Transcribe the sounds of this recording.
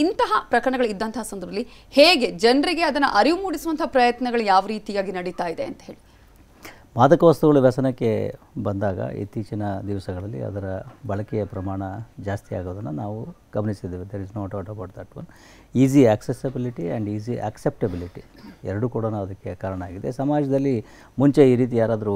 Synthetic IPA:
int̪ɐɦɐpɾɐkɐɾɐɳɐɡɐɭuid̪ːɐnt̪ɐɦɐsɐnd̪ɾud̪ɐlːiheːɡe̞d͡ʒɐnɾiɡe̞ɐd̪ɐnːuʔɐɾiʋumuːɽisuʋɐnt̪ʰɐɦapɾɐjɐt̪nɐɡɐɭujaːʋɐɾiːt̪ijaːɡinɐɽit̪aːjid̪e̞ɐnt̪ɐɦe̞ːɭi | maːd̪ɐkɐʋɐst̪uɡɐɭuʋɛsɐnɐkːe̞ | bɐnd̪aːɡɐ̰ʔḭt̪ːiːt͡ʃɐnɐd̪iʋɐsɐɡɐɭɐlːḭɐ̰d̪ɐɾɐbɐɭɐkɛjɐpɾɐmaːɳɐd͡ʒaːst̪ija̰ːɡoːd̪ɐnːɐnaːʋu | ɡ̥ɐmnisid̪ːeːʋid̪eɾiznoːɐʈɐʈɐboɽt̪aʈʋɐn | iːz̬iɐksesɐbiliʈiɐ̰ɳɖiːziʔɐ̰ksep̚ʈɐbiliʈiɛ̰ɾɐɽukuːɽɐnuɐd̪ɐkːe̞kaːɾɐɳɐaːɡid̪ḛsɐmaːd͡ʒɐd̪ɐlːi | muɲt͡ʃe̞iːɾiːt̪ijaːɾaːd̪ɐɾu

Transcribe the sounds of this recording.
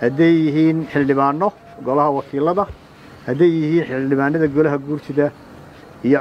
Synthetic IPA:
hɐd̪ɛjːɪɦiːnħɪldɪβaːnɔ | ɡɔlɐɦɐwɑkʰiːlɐðɐ | hɐd̪ɛjːɪhiːnħɪlɖɪβaːnɐðɐɡɔlɐɦɐɡuːrt̪ʰɪðɐ | ijɔ

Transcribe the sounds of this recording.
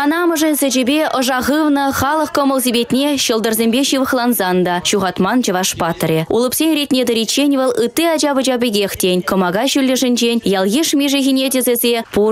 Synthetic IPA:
ɑnɑmɤ̆ʐenʲsʲɘ̆d͡ʑĕbʲeʔŏʐɑʁɯvnɤ̆χɑlˠɤ̆χkomolʲˠzʲibʲet̪ʲnʲeɕɤ̆lˠd̪ɤ̆rzʲemʲbʲeɕɯʋə̆χlˠɑnzɑnd̪ɑɕuʁɑt̪mɑnd͡ʑɤ̆vɑʂpɑt̪̆rʲeṵlˠɤ̆psʲenʲrʲet̪ʲnʲed̪ə̆ɾʲit͡ɕːenʲvɤ̆lˠɯt̪ːiɑd͡ʑɑbɤ̆d͡ʑɑbʲĕɡʲeχtʲenʲkŏmɑɡɑɕylʲːɘ̆ʐɘ̆nʲd͡ʑenʲjɑlˠɣeʂmʲeʐĕɣʲinʲedʲezʲɘ̆zʲepu

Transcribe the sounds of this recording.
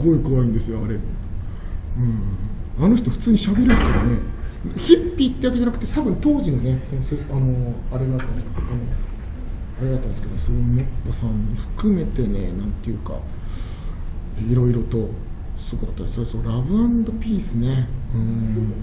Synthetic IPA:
sɨɡo̞ikoβaĩnd̪e̞sɨjo̞aɾe̞ | ɯ̟̃ːɴ | ano̞çi̥t̪o̞ɸɯ̟̥t͡sɨːɲ̟iɕabe̞ɾɯkaɾane̞çipʲːiːt̪ːe̞jake̞d͡ʑanak̟t̪et̪abɯ̟̃nt̪o̞ːʑinone̞sonoseano̞aɾeɡat̪ːaano | aɾeɡat̪ːand̪esɨ̥ked̪soomopːosãɲːiɸɯ̟̥kɯ̟me̞t̪e̞ne̞nãnt̪e̞jɯ̟ka̰ | iɾo̞iɾo̞t̪o̞ | sɨɡokat̪ːad̪soɾsoɾabɯ̟ãnd̪o̞pʲiːsɨne̞ɯ̟̃ɴ

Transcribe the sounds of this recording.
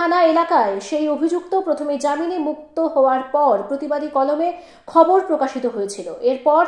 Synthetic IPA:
anaelakaeʃejobʱid͡ʑuk̚t̪opɾot̪ʰomed͡ʑaminemuk̚t̪oɦɔoaɾpɔɾpɾot̪ibad̪ikɔlome | kʰɔboɾpɾokaʃit̪oɦojet͡ɕʰiloʔeɾpɔɾ

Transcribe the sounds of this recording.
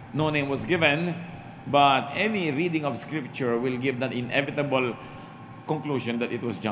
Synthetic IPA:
nonẽj̃mwɔsɡɪvɛ̃n | bɐt̪̚ɛniɹiːd̪ɪ̃ŋɔfskɹɪp̚t͡ʃʊɹwɪlɡɪvd̪at̪ɪ̃nʔɛ̰vɪt̪ɐbəl | kɔ̃ŋkluʃɔ̃nd̪ɐt̪ɪt̪̚wɔsd͡ʒã

